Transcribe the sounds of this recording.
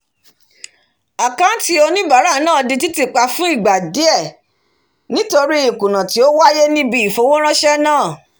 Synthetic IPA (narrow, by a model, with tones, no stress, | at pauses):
a˨kã˦ti˦o˧nĩ˦ba˨˦ɾa˦˨nãː˦˨di˧ti˦ti˦˨k͡pa˧fũ˦i˦˨ɡ͡ba˨di˨˦ɛ˦˨ | nĩ˦to˧ɾi˦i˦˨kũ˨nã˨ti˨˦o˦wa˦je˦nĩ˦bi˦i˨fo˧˦wõ˦ɾ̃ã˦ʃɛ˦nãː˦˨